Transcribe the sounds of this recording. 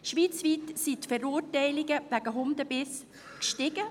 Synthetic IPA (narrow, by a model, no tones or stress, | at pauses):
ʃʋiːt͡sʋiːtsitfɛɾuːrtɛɪlɪɡəʋæɡəɦʊmdəbɪs | kʃtɪɡ̥ə